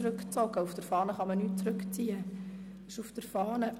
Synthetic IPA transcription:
ɾɵkt͡sɔɡəufd̥əɾfɑːnəχɑmənyːt̚t͡sɾɵkt͡siːə̥ | əʃufd̥̪əɾfɑːnə

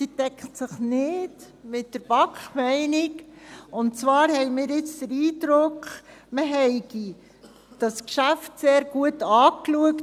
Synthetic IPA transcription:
sitɛkχtsɪχnɪd | mɪtdəɾb̥ɑkχmɛɪnɪkʊntt͡sʋɑːɾhɛjmɪːɾɪt͡sd̥əɾiːdɾʊkχməɦɛɪɡi | d̥ɑskʃæftseːɾɡ̥uətɑːkluək

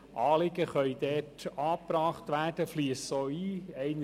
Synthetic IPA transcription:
ʔɑːlɪɡəχœʏdɛːtɑːpɾɑːχtʋæːd̥əfliːəssoːiːɛɪn

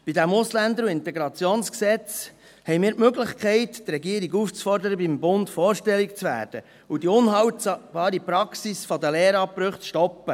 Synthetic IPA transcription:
b̥idæmʊslænd̪əɾuɪnt̪ɛɡɾɑt͡sjoːnsksɛt͡s | hɛɪmiːɾtmøɡlɪχkχɛɪttrɛɡiːəɾiɡuft͡sfɔɾdəɾəbimbʊnt̪fɔːɾʃtɛlːikt͡sʋæ̰ːɾd̥ə | udiʊnɦɑwtb̥ɑːɾipɾɑksisfɔdəlɛːɾɑpɾɵχt͡sʃtɔpːə

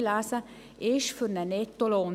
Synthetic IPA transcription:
laːsa | eːʃfyɾnænet̪ːolon

